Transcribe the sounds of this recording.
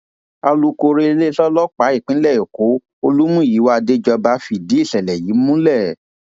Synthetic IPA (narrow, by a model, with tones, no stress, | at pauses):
a˧lu˧ko˧ɾe˧e˧le˦ɬɔ˦lɔ˦k͡pa˨˦i˦˨k͡pĩ˦lɛ˦˨jo˨ko˨˦ | o˧lu˦mũ˦˨ji˨˦wa˦˧de˦d͡ʒɔ˧ba˧˦fi˦˨di˨˦i˦˨sɛ˨lɛ˨ji˨˦mũ˦lɛ˦˨